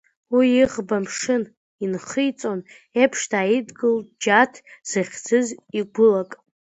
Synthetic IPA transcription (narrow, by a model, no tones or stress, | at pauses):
wiiʁbamʂɨn | inχɨjt͡sʼo̞n | epʰʂtʰaidɡɨld͡ʒatʰz̥ɨχʲd͡zɨziɡʷʊlakʼ